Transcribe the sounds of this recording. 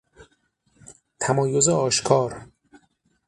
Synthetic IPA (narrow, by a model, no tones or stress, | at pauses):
t̪ʰæmɒːjozeɒːʃkʰɒːɾ